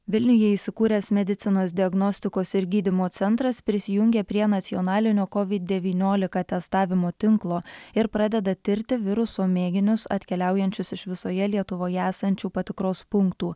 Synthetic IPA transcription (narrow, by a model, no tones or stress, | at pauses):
ʋʲɪlʲnʲʊjɛiːsʲɪkuːɾʲɛsmʲɛd̪ʲɪt̪ʲɪnoːsd̪ʲɪɐɡnɔsʲt̪ʲɪkoːsɪɾɡʲiːd̪ʲɪmoːt̪sʲɛnt̪ɾɐspʲɾʲɪsʲɪjʊŋʲɡʲeːpʲɾʲiɛnɐt̪sʲɪɔnɑːlʲɪnʲoːkɔʋʲɪd̪̚d̪ʲɛʋʲiːnʲoːlʲɪkɑt̪ʲɛst̪ɑːʋʲɪmoːt̪ʲɪŋklˠoːɪɾpɾɑd̪ʲɛd̪ɐt̪ʲɪɾʲt̪ʲɪʋʲɪɾʊsoːmʲeːɡʲɪnʲʊsɐ̰t̪ʲkʲɛlʲæˑʊjɛnʲt͡ʃʲʊsɪʃʋʲɪsoːjɛlʲiɛt̪ʊʋoːjɛæːsɐnʲt͡ʃʲuːpɐt̪ʲɪkɾoːspʊŋkt̪uː